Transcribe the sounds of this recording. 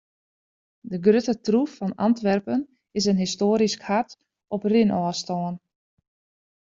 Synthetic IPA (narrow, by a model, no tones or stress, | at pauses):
dəɡrøtətrufɔnɑ̰ntʋɛrpən | ɪs̬ənɦistoːəɾiskhat | ɔprinʔɔːstɔːən